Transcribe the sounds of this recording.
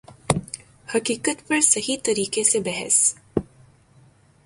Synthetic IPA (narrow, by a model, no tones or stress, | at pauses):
hɐkiːkət̪pɐɾsɐɦit̪ɐɾiːkesebɛɦɛ̰s